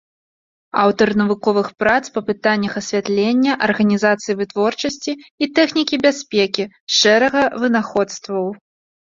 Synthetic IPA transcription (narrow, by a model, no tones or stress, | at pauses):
awt̪ɐrnɐvukɔvɨxpɾat̪spɐpɨt̪anʲːɐxɐsʲvʲat̪lʲenʲːɐʔɐrɣɐnʲizat̪sɨjivɨt̪vɔrt͡ʂɐsʲt͡sʲiːt̪ɛxnʲikʲibʲasʲpʲekʲi | ʂɛɾɐɣɐvɨnaxɔt̪st̪vɐw